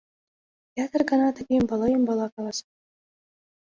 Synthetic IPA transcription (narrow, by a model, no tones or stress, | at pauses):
jɑt̪ə̆rɡɤ̆nɑt̪ɘ̆ɡʲembɑlˠɤjɤmbɑlˠɑkɑlˠɑsɑ